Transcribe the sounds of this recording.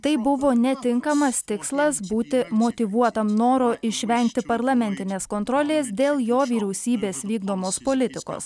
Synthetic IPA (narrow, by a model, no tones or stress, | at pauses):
t̪ɐɪbʊʋoːnʲɛt̪ʲɪŋkɐmɐst̪ʲɪkslˠɐsbuːt̪ʲɪmot̪ʲiʋuɔt̪ɐmnoːɾoːʔɪʃʲʋʲɛŋʲkt̪ʲɪpɐɾlˠɐmʲɛnʲt̪ʲɪnʲeːskoːnt̪ɾɔːlʲeːsd̪ʲeːlˠjoːʋʲiːɾʲɛʊsʲiːbʲeːsʋʲiːɡd̪oːmoːspoːlʲɪt̪ʲɪko̰ːs